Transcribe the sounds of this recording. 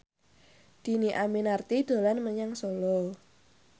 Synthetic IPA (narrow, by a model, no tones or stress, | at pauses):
d̪̥i̤niʔaminart̪id̪̥o̤lanməɲaŋsolɔ